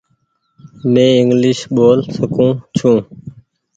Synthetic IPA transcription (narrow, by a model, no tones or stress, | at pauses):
mẽːɪŋɡlɪʃɓoːlsəkʰũːt͡ʃʰũː